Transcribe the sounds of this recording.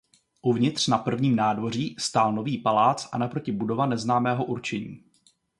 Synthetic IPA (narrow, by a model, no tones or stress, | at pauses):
ʔuvɲɪt̪r̝̥napr̩vɲiːmnaːdvo̞r̝iːst̪aːlnoviːpalaːt͡sʔa̰napɾo̞cɪbudo̞vanɛznaːmɛːɦo̞ʔuɾt͡ʃɛɲḭː